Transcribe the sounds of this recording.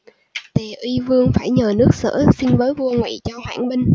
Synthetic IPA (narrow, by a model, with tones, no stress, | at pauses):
t̪e˨˩ʔwi˧vɨ˧əŋfaː˧˩jɲəː˨˩nɨ˦˥ək̚sə̰ː˧˥˩si˧nvəː˨˦jvu˧əŋwa̰˧˨t͡ɕɔ˧hwa̰ː˧˩nɓï˧ŋ̟